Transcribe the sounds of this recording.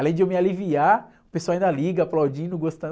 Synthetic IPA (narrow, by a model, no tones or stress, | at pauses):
alẽj̃d͡ʒɪewmialivia | ʊpeswawaĩnd̪ɐliɡɐaplawd͡ʒĩnʊɡost̪ɐ̃